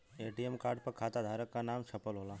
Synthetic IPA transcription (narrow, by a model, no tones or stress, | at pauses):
eːʈiɛmkaːɾɖ̚pɐɾkʰaːt̪ad̪ʱaːɾəkːanaːmʃʰɐpəlɦoːlaː